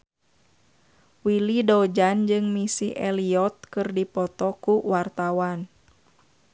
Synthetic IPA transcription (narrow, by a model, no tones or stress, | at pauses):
wilidɔd͡ʒand͡ʒɨŋmisiʔɛliɔt̪̚kɨrdipɔt̪ɔkuwart̪awan